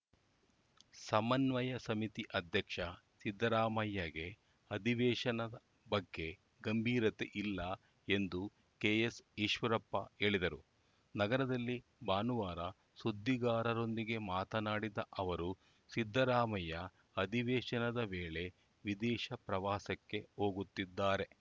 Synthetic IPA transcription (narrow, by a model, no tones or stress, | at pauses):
sɐmɐnʋɐjɐsɐmit̪iʔɐd̪ʱjɐkʂɐ | sid̪ʱːɐɾaːmɐjːɐɡe̞ | ɐd̪ʱiʋɛːʃɐnɐɐ | bɐɡːe̞ | ɡɐmbʱiːɾɐt̪e̞ʔilːɐ | e̞nd̪u | keːjesiʃʋɐɾɐpːɐ̰e̞ːɭid̪ɐɾu | nɐɡɐɾɐd̪ɐlːibaːnuʋaːɾɐ | sud̪ːiɡaːɾɐɾo̞nd̪iɡe̞maːt̪ɐnaːɽid̪ɐʔɐʋɐɾu | sid̪ʱːɐɾaːmɐjɐ | ɐd̪iʋɛːʃɐnɐd̪ɐʋeːɭe̞ | ʋid̪ɛːʃɐpɾɐʋaːsɐkːe̞ɦo̞ːɡut̪ːid̪ːaːɾe̞